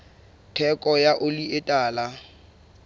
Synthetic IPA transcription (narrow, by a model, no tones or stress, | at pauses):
tʰɛkʼɔjaʔʊliʔɪtʼaːla